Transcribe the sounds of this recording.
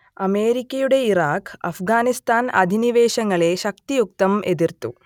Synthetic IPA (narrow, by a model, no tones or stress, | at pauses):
ɐme̞ːɾikʲːɐjuɽe̞iɾaːkɐ̰fɡaːnist̪aːnɐ̰d̪ʱiniʋeːɕɐŋːɐɭe̞ʃɐkt̪ijuk̚t̪ɐmʔe̞d̪irt̪u